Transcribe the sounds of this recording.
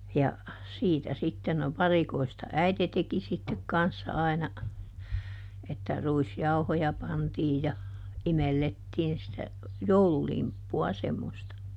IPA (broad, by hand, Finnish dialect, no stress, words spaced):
jɑ siːtæ sitːen no ʋɑrikoistɑ æite teki sitːek kɑnsːɑ ɑinɑ etːæ ruisjɑuhojɑ pɑntiː jɑ imelːetːiːn sitæ joululimpːuɑ semːostɑ